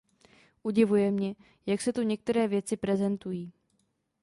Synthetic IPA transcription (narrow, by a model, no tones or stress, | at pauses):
ʔuɟɪvujɛmɲɛ | jaksɛt̪uɲɛk̚t̪ɛɾɛːvjɛt͡sɪpɾɛzɛnt̪ujiː